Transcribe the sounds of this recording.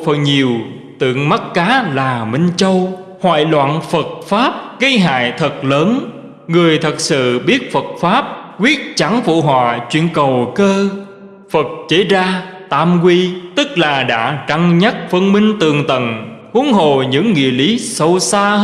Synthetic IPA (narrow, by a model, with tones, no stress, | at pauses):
fə˨˩ɲi˨˩əw | t̪ɨ̰˧˨əŋma˦˥t̚kaː˨˦laː˨˩mï˧ŋ̟t͡ɕə˧w | hwa̰ː˧˨jlwa̰ː˧˨nfə˨˩t̚faː˦˥p̚ɣə˧jɦa̰ː˧˨jt̪ʰə˨˩t̚ləː˨˦n | ŋɨ˨˩əjt̪ʰə˨˩t̚sɨ̰˧˨ɓi˦˥ət̚fə˨˩t̚faː˦˥p̚kwi˦˥ət̚t͡ɕa˨˦ŋfṵ˧˨ɦwa̰ː˧˨t͡ɕwḭ˧˨ənkə˨˩wkəː˧ | fə˨˩t̚t͡ɕe˨˦zaː˧t̪aː˧mkwi˧t̪ɨ˦˥k̚laː˨˩ɗa̰ː˧˥t͡ɕa˧ŋɲa˦˥t̚fə˧nmï˧ŋ̟t̪ɨ˨˩əŋt̪ə˨˩nʔu˨˦əŋɦo̰˧˨˩ɲɨ̰˧˥ŋːḭ˧˨əli˨˦sə˧wsaː˧